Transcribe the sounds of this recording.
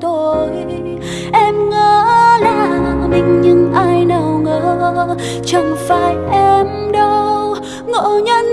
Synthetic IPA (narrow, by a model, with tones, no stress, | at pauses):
t̪o˧j | ʔɛ˧mŋəː˨˩laː˧˩mï˨˩ŋ̟ɲɨ˧ŋʔaː˧jnə˨˩wŋəː˨˩ | t͡ɕə˨˧˩ŋfaː˧˩jʔɛ˧m | ɗə˧w | ŋo̰˧˩ɲə˧n